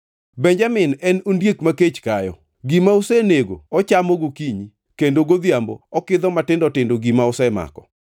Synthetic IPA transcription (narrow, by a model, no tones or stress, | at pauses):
bɛɲd͡ʒamɪnɛnondjekmaket͡ʃkajɔ | ɡimaʊsɛneɡo̰ɔt͡ʃamoɡokiɲi | kendoɡod̪jambɔ̰ɔkɪd̪ɔmatɪndɔtɪndoɡimaʊsɛma̰kɔ